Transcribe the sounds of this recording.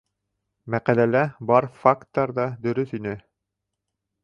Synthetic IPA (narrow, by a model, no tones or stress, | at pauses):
mæqælælæbɑɾfakt̪ːɑɾðɑd̪ɵ̆ɾɵθinɘ